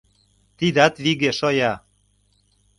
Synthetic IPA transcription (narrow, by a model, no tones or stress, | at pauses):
t̪id̪ɑt̪βiɣeʃojɑ